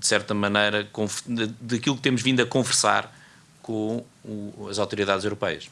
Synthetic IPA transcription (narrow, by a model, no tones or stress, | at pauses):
d̪ɨ̥sɛɾt̪ɐmɐnɐjɾɐkõfɐd̪ɐkilˠuk̚t̪emuʒvĩnd̪ɐkõvɨɾsa̰ɾ | kõ | uɐzawt̪uɾiðaðzewɾupɛjɐ̰ʃ